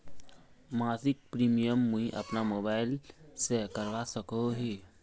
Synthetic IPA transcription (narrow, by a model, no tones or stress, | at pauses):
maːsɪk̚pɾiːmijəmːũɦĩʔɐ̰pnamoːbaːɪlsekəɾʋasəkoɦeː